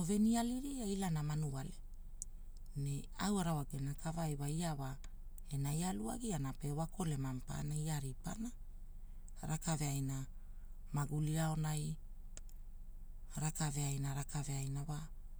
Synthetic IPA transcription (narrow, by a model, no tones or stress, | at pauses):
ove̞nialiɾiajlanamanuale | ne | awaɾawaɡenakavajwaiawa | e̞najalua̰ɡianape̞wako̞le̞mampa̰naiaɾipa̰na | ɾakave̞ajna | maɡuliao̞naj | ɾakave̞ajnaɾakave̞ajnawa